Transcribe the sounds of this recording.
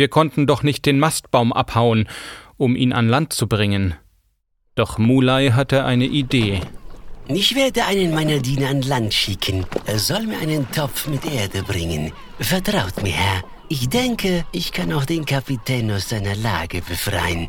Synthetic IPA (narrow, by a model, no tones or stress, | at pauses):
viːɐkʰɔntn̩dɔχnɪçt̚d̥eːnmast̚b̥aʊmʔa̰phaʊənʔʊmʔḭːnʔa̰nlant̚t͡subʁɪŋən | d̥ɔχmuːlaɪɦatəʔa̰ɪnəʔideː | ɪçv̥eːɐdəʔaɪnənmaɪnɐdiːnɐanlantʃɪkʰənʔeːɐz̥ɔlmiːɐʔaɪnəntʰɔp͡fmɪtʔeːɐdəbʁɪŋə̰n | fɛɐtʁ̥aʊtmiːɐhɛɐ | ʔɪçd̥ɛŋkəʔɪçkʰanaʊxd̥eːnkʰapitʰɛːnaʊsz̥aɪnɐla̰ːɡəbəfʁ̥a̰ɪən